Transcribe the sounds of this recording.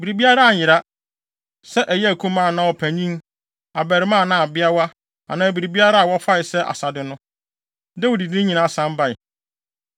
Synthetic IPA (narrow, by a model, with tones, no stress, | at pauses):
bi˨ɾi˨bi˦a˦ɾa˦a˨jɪ˨ɾa˦ | sɛ˦ʔæ˨jɛ˦æ˨kʰũ˦mã˦˨nã˦wɔ˨pʰæ˨ɲĩ˦ | a˨bɛ˨ɾɪ˨˦mã˦˨nã˦˨a˨bɪ˦a˦wa˦ | ã̰˨nãː˨bi˨ɾi˨bi˦a˦ɾa˦a˨wɔ˦fa˦ɪ˨sɛ˦ʔa̰˨sa˨dɪ˦nʊ̃˦ | dɛ˦wɔ˨di˨dĩ˦ɲĩ˨nã˨˦˨sã˦mba˦ɪ˨